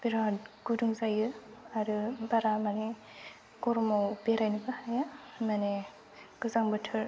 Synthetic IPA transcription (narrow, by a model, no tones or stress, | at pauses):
b̥iɾadɡuduŋzajɯaɾɯbaɾamane | ɡɔɾmawbeɾajnɯkɯhajamane | ɡ̥ɯzaŋbɯtʰɯɾ